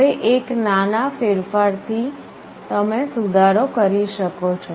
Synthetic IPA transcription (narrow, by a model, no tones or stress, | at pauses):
ɦeʔeknanafeɾfaɾt̪ʰi | t̪əmesud̪ʱaɾokəɾiʃəkot͡ʃʰo